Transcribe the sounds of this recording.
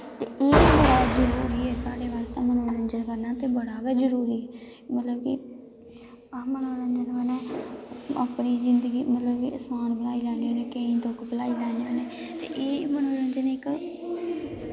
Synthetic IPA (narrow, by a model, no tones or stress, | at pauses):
t̪eːʔeːbəɽaːzəɾuːɾiːɛːsaːɽeːʋaːst̪eːmənoːɾənd͡ʒənkəɾnaːt̪eːbəɽaːɡaːzəɾuːɾiːɛː | mət̪ləbki | mənoːɾənd͡ʒənməneː | aːpniːzɪnd̪əɡiːmət̪ləbkiəsmaːnbəlaːiːlɛːneːɦoːneːkeĩːt̪okbəlaːiːlɛːneɦoːneː | t̪ḛːʔeːmənoːɾənd͡ʒənɪk